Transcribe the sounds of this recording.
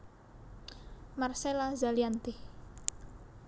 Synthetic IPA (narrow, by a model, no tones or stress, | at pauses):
marselazaliant̪i